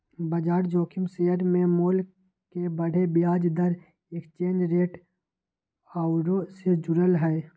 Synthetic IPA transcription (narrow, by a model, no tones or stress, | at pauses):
bəd͡ʒaːɾd͡ʒoːkʰɪmseəɾmẽmoːl | kebəɽ̤ʱebɪjaːd͡ʒd̪əɾ | ekt͡ʃẽːnd͡ʒɾeːʈ | aːʊɾosed͡ʒʊɾəlɦɛː